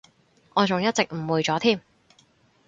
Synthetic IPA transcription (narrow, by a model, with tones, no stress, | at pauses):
ʔɔː˨˧t͡sʊ˨ŋjɐ˥t̚t͡sɪ˨k̚m̩˨˩wuː˨˩jt͡sɔː˨˥t̪ʰiː˥˩m